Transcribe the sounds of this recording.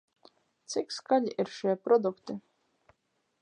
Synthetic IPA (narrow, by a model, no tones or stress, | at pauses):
t̪sikskaʎʲiʔiɾʃiɛpɾɔd̪ukt̪ɨ